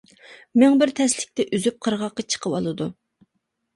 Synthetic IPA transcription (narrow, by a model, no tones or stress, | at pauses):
mɪŋbɪɾt̪ʰɛslɪk̚ʲt̪ʰɛʔyzyp̚qʰəɾʁɑqːɑt͡ʃʰə̥qʰəwɑ̰lˠɨd̪u